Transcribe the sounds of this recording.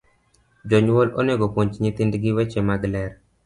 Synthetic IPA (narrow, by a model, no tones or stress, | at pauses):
d͡ʒoɲwolo̰neɡokoɲt͡ʃɲit̪indɡɪwɛt͡ʃemaɡlɛɾ